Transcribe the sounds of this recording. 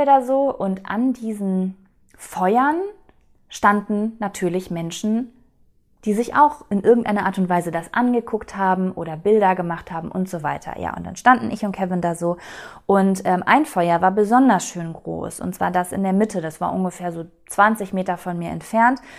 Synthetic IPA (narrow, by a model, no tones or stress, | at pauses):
daːzoːʔʊntʔa̰ndiːzn̩ | fɔʏɐn | ʃtandn̩ːatʰyːɐlɪçmɛnʃn̩ | d̥iːzɪça̰ʊxʔɪnʔɪɐɡŋ̩tʔaɪnɐʔaɐtʊntv̥aɪzədasʔanɡəkʰʊkthaːbm̩ʔoːɾɐbɪldɐɡəmaχthaːbm̩ʔʊ̰ntz̥oːvaɪtʰɐ̰ja̰ːʔʊ̰ntd̥a̰nʃtandn̩ʔɪçʊnt̚kʰɛvɪndaːzoːʔʊntʔɛːmʔa̰ɪnfɔʏɐvaːɐbəzɔndɐsʃøːnɡʁo̰ːsʔʊ̰ntt͡sv̥aːɐdasɪ̰ndeːɐmɪtʰədasv̥aːɐʔʊnɡəfeːɐzoː | t͡sv̥ant͡sɪçmeːtɐfɔnmiːɐɛ̰ntfɛɐnt